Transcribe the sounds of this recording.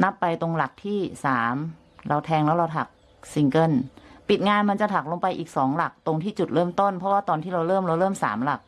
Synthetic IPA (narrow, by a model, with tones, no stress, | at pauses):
na˦˥pːa˧jt̪o˧ŋla˨˩k̚t̪ʰiː˥˩saː˩˦m | ɾa˧wt̪ʰɛː˧ŋlɛ˦˥wɾa˧wt̪ʰa˨˩k̚ | si˧ŋkɤ˥˩npi˨˩t̪̚ŋaː˧nma˧nt͡ɕa˨˩t̪ʰa˨˩k̚lo˧ŋpa˧jʔiː˨˩k̚sɔː˩˦ŋla˨˩k̚t̪o˧ŋt̪ʰiː˥˩t͡ɕu˨˩t̪̚ɾɤː˥˩mt̪o˥˩npʰɔ˦˥waː˥˩t̪ɔː˧nt̪ʰiː˥˩ɾa˧wɾɤː˥˩mɾa˧wɾɤː˥˩msa̰ː˩˦mla˨˩k̚